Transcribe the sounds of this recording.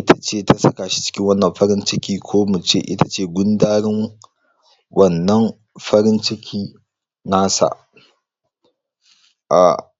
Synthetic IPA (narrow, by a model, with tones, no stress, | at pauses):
ʔɪ˦tʰa˨t͡ʃeː˦˨tʰa˦sɐ˦kaː˨ʃi̥˦t͡ʃɪ̥˦kʲɪ˦ŋwɐ˦nːɐ˨mɸɐ˦ɾɪ˦nt͡ʃɪ˦kʲiː˦kʷʰoː˦mu˨t͡ʃḛ˦ʔɪ̰˦tḁ˨t͡ʃeː˦˨ɡʷʊ˦ndaː˦ɽɪ˦ŋ | wʔɐ˨nːɐ˦m | ɸɐ˦ɾɪ˦nt͡ʃɪ˦kʲʰiː˦ | naː˦sa̰˨ʔ | ʔa̰˨